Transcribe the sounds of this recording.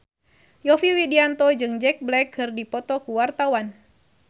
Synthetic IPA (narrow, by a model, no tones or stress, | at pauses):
jɔfiwidiant̪ɔd͡ʒɨŋd͡ʒɛk̚blɛkʰːɨrdipɔt̪ɔkuwart̪awan